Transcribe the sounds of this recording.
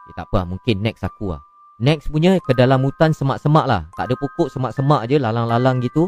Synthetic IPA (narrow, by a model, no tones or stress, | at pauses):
jət̪apamuŋkɪnːɛk̚sakua̰ | nɛk̚spuɲə̃kədalamut̪ansəmaʔsəmaʔla̰ht̪a̰ʔdəpukʊʔsəmaʔsəmaʔd͡ʒəlalaŋlalaŋɡit̪u